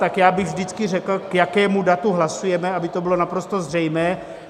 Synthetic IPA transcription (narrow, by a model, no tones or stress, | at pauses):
t̪akjaːbɪɣvdɪt͡skɪrɛkl̩kjakɛːmudat̪uɦlasujɛmɛabɪt̪o̞bɪlo̞napɾo̞st̪ozr̝ɛjmɛː